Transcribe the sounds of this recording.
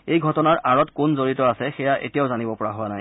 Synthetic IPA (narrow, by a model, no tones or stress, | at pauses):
ejɡʱɔtɔnaɹʔaɹɔtkʊnzoɹitɔasɛxɛjaʔḛtijaʊzanibɔpɔɹaɦʊwanaj